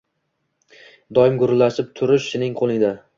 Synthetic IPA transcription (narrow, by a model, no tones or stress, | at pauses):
d̪ɒɪmɡʊɾɪlːaʃɪp̚t̪ʰʊɾɪʃʃɪnɪŋqʰolˠɪŋd̪a